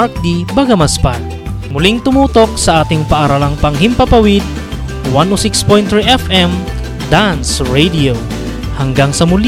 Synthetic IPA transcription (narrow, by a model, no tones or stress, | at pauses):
k̚d̪ibɐɡɐmɐspa | mʊliŋt̪ʊmuːt̪o̞k̚sɐʔaːt̪ɪŋpɐʔɐɾalaŋpɐŋhɪmpɐpɐwɪd̪̚ | wanosikspojnt̪ːɹiʔɛfʔɛm | d̪ansɹejd̪io | hɐŋɡaŋsɐmʊl